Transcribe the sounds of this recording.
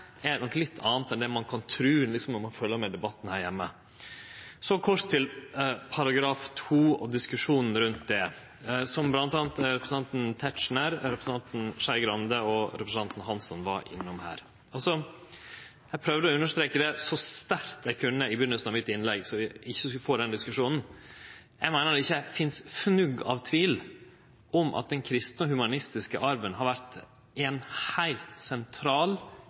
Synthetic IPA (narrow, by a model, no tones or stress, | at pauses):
ɛnɔkːlɪt̪ʰːɑ̰ːnt̪ɛnd̪ɛmɑnkʰɑnt̪ʰɾʉːnlɪksɔmnɔɾmɑnfœlːəɾmɛd̪ɛbɑt̪ːn̩hæːɾjɛmːə | sɔkʰɔɾt̪ʰːɪlpʰɑɾɑɡɾɑːft̪ʰuːɑ̰d̪ɪskʉʂuːnn̩ɾʉnt̪̚d̪ɛ | sɔmblɑnt̪ɑːnt̪ɾɛpɾəsn̩ɑnt̪n̩t̪ʰɛtʂɳæɾɾɛpɾəsn̩ɑnt̪n̩ʂæɪɡɾɑnd̪əɔɾɛpɾəsn̩ʰɑnt̪n̩ɦɑnsɔnʋɑ̰ɾʔɪ̰nːʊmhæ̰ːɾ | ɑlsɔ | æɪpʰɾœːʋd̪əɔʉnːəʂt̪ɾeːkəd̪ɛsɔst̪æɾt̪ɛɪkʰʉnːəɪbʏnːəlsnɑʋmɪt̪ːɪnlɛɡsɔɪɪçːəsfoːɖɛnd̪ɪskʉʂuːnn̩ | jæɪmæɪnəɾd̪ɛɪçːəfɪnsfnʉɡɑ̰ʋt̪ʰʋiːl | ʔɔmʔɑ̰t̪̚d̪ɛnkʰɾɪst̪nɔɦʉmɑnɪst̪ɪskəʔɑɾʋənɦɑɾʋæɾt̪ | ɛnhæɪlt̪sɛnt̪ʰɾɑːl